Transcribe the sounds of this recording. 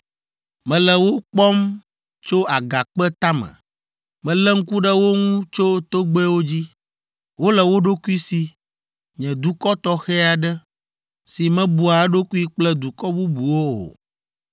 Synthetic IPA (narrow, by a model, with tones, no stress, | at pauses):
mɛ̃˨lɛ˨wo˦k͡pɔ˦m | t͡ʃo˦a˨ɡa˨k͡pɛ˦t̪a˦mɛ̰̃˨ | mɛ̃˨lɛ˦ŋ̩˦ku˦ɖə˦wo˦ŋũ˦t͡ʃo˦t̪o˦ɡ͡bɛ˦wo˦d͡ʑi˦ | wo˦lɛ˨wo˦ɖo˦ku˦i˦si˨ | ɲɛ̃˨d̪u˨kɔ˦t̪ɔ˦xɛ˦a˨ɖɛ˦ | si˨mɛ̃˦bu˨a˨˦ɖo˦ku˦i˦k͡plɛ˦d̪u˨kɔ˦bu˦bu˨wo˦o̰˨